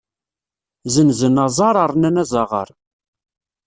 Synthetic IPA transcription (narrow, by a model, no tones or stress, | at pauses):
zənzənɑzˤɑɾˤɑɾˤnænæzˤɑʁə̰ɾˤ